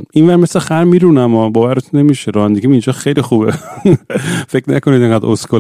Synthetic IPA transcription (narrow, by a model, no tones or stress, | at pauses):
invæɾme̞slexæɾmiːɾunæmɒːbɒːvæɾet̪ʰunːemiːʃeɾɒnd̪iɡimind͡ʒɒːxejlixuːbe | fekʰnæ̰konid̪eŋɡæd̪ʔoskʰo